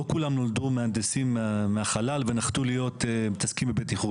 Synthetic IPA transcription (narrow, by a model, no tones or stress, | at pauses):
okulamnold̪umeand̪esimːeaχalalvenaχt̪ulijo̞t̪mit̪askimbebet̪iχu